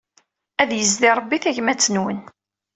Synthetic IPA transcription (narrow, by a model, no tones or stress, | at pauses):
æðjəzðiɾˤəbːiθæʝmæt͡sːənwən